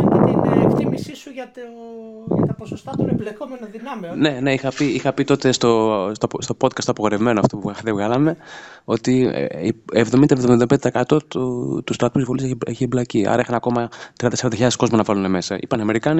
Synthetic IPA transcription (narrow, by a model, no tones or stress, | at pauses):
ɐt̪inḛfθimisisuʝɐt̪oʝɐ̰t̪ɐposost̪ɐt̪oeblekomenɐðinɐmine̞ne̞ixɐpiixɐpit̪o̞t̪e̞st̪ost̪ost̪opo̞t̪̚kɐst̪ɐpo̞ɣoɾevme̞noɐft̪o̞puɣɐðevɣɐlɐme̞ | o̞t̪ḭ | evðomind̪ɐevðomind̪ebeeekɐt̪o̞t̪t̪ust̪ɾɐt̪uzivoliseçiblɐciɐ̰ɾɐixɐnɐko̞mɐt̪ɾiɐnseɾɐnd̪ɐçiʎɐðesko̞zmɐnɐvɐlune̞me̞sɐḭpɐniɐme̞ɾikɐni